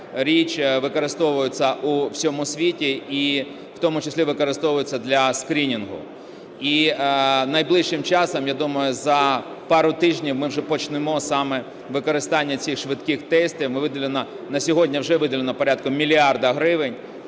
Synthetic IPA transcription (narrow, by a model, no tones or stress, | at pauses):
ɾʲit͡ʃʲʋɪkɔɾɪst̪ɔʋʊjʊt͡sʲːɐʔuwsʲɔmʊsʲʋʲitʲii | wt̪ɔmʊt͡ʃɐsʲlʲiʋɪkɔɾɪst̪ɔʋʊjɪt͡sʲːɐd̪lʲɐskɾʲinʲinɦʊ̰ | i | nɐjblˠɪʃʃɪmt͡ʃɑsɔmjad̪umɐjʊzɐ | pɑɾʊt̪ɪʒnʲiwmɪwʒɛpɔt͡ʃnɪmɔsɑmɛ | ʋɪkɔɾɪst̪ɑnʲːɐt͡sʲixʃʋɪt̪kɪxt̪ɛsʲt̪ʲiwmɪʋɪd̪ʲɐlʲenɐ | nɐsʲɔɦɔdʲnʲɐwʒɛʋɪd̪ɐlʲenɔpɔɾʲat̪̚kɔmmʲilʲiɑrd̪ɐɦɾɪʋɪnʲ